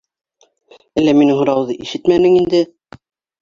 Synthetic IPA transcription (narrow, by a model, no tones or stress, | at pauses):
ælːæminɘŋhŏɾɑwðɤʔiʃɘt̪mænɘŋind̪ɘ